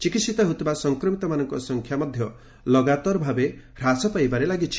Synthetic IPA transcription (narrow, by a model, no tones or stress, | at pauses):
t͡ʃikit̪sit̪ɔɦot̪ʰibasɔŋkɾɔmit̪ɔmanɔŋkɔsɔŋkʰjamɔd̪ʱjɔ | lɔɡat̪ɔɾbʱabe | ɾasɔpajbaɾelaɡit͡ʃʰi̥